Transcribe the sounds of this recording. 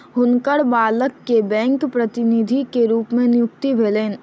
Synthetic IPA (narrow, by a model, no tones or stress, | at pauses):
ɦʊnkəɽbaːləkːebɛ̃ːŋkpɾɐt̪ɪnɪd̪ʱikeɾuːpmẽnɪjʊkt̪ibʱeːleːn